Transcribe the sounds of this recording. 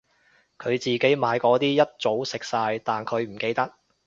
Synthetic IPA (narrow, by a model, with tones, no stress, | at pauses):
kʰɵ˨˧ɥt͡siː˨ke˨˥jmaː˨˧jkɔː˨˥t̪iː˥jɐ˥t̚t͡so˨˥wsɪ˨k̚saː˧jt̪aː˨nkʰɵ˨˧ɥm̩˨˩ke˧jt̪ɐ˥k̚